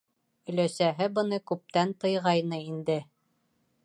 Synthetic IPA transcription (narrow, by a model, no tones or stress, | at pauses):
ɵ̆læsæɦɘbɤ̆nɤkʉp̚t̪ænt̪ɤ̆jʁɑjnɤind̪ɘ